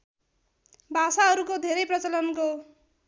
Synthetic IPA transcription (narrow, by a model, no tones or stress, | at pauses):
bʱasaɦʌɾukod̪ʱeɾʌjprʌt͡sʌlʌnko